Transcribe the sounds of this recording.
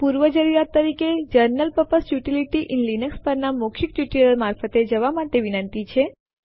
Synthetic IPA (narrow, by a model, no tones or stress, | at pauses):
puɾʋəd͡ʒəɾiɾat̪ːəɾiked͡ʒəɾnəlpəpəsjuʈiliʈiʔinlinəkspəɾnamokʰikjuʈiɾəɾmaɾfət̪ed͡ʒəʋamaʈeʋinənt̪it͡ʃʰe